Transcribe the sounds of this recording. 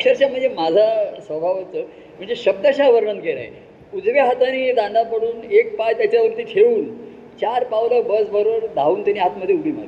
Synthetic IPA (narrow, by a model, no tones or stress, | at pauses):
kʂəɾɕjam̤əɳd͡zʱemad͡zʱasʋəbʱaʋət͡sə | m̤əɳd͡zeɕəb̚d̪əɕaʋəɾɳənɡeɾa̰ḛ | ud͡zʋaɦat̪aniːd̪and̪apəɽuːnek̚pajt̪jat͡ɕjaʋəɾt̪iːt̪ʰeuːn | t͡ɕaɾpaʋləbəsbʱəɾoʋəɾd̪ʱauːnt̪janiːɦat̪məd̪ʱːjeuɽiːm̤ə̰ɾi